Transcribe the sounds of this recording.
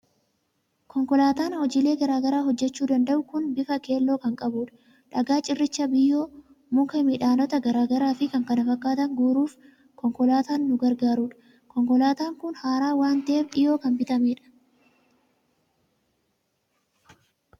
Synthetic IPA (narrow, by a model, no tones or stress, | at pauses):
kɔŋkɔlaːt̪aːnhɔd͡ʒiːle̞ːɡɐɾaːɡɐɾaːɦɔd͡ʒːɛt͡ʃːuːd̪ɐnd̪ɐʔʊkʊnbɪfɐke̞ːlːo̞ːkɐŋkʼɐbuːᶑɐ̥ | ᶑɐɡaːt͡ʃʼɪrːɪt͡ʃːɐbɪjːo̞ː | mʊkɐmɪᶑaːnɔt̪ɐɡɐɾaːɡɐɾaːfɪkɐŋkɐnɐfɐkːaːt̪ɐŋɡuːɾuːf | kɔŋkɔlaːt̪aːnːʊɡɐɾɡaːɾuːᶑɐ̥ | kɔŋkɔlaːt̪aːŋkʊnhaːɾaːwaːnt̪ɐʔeːbᶑɪjo̞ːkɐnbɪt̪ɐmeːᶑɐ̥